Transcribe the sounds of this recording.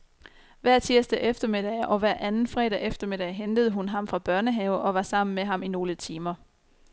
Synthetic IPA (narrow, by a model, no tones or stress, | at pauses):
ʋæɐ̰t͡sʰiɐsd̥æʔefd̥ɐmed̥ɛɪʔɒ̽ʋæɐ̰ʔænn̩fʁɛːd̥ɛefd̥ɐmed̥ɛɪɦend̥əð̞̩ˠəɦunɦɑ̈mfʁɑ̈b̥ɶɐnəɦɛʊʔɒ̽ʋɑ̈sɑ̈m̰n̩meɦɑ̈mino̝ːlət͡sʰiːmɐ